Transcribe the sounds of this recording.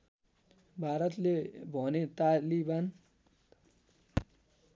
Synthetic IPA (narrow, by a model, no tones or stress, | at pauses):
bʱaɾʌt̪lebʱʌnet̪aliban